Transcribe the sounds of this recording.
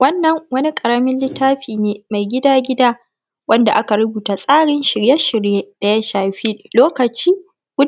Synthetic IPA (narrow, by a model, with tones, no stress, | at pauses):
wɐ˦nːɐ˨ŋwɐ˦ni˦kʼɐ˨ɽɐ˦mɪ˦nlɪ˦tːaː˦ɸiː˨neː˨ma˨jɡʲɪ˦daː˦ɡʲɪ˦daː˦ | wɐ˦nda˨ʔa˦ka˨ɾʊ˦buː˨taː˨sʼaː˦ɽɪ˦nʃɪ˨ɾje˦ʃɪ˨ɽjeː˦d̥a˨ja˦ʃaː˨ɸi˦loː˦kɐ˨t͡ʃiː˦ | ɡ̥ʷʊ˦